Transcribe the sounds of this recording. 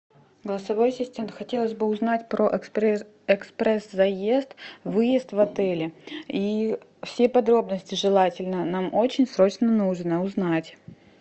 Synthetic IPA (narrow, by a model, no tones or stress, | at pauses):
ɡəlˠəsɐvo̞jsʲɪsʲtʲemnt̪xɐtʲe̞lˠəsʲbɨʊznatʲpɾoʔ | ɛkspɾɛszɐje̞st̪vɨjɪst̪vɐt̪ɛlʲɪi | fsʲepɐd̪ɾo̞bnəsʲtʲɪʐɨlˠatʲɪlʲnənamʔot͡ɕɪnʲsɾo̞t͡ɕnənuʐnəʊznatʲ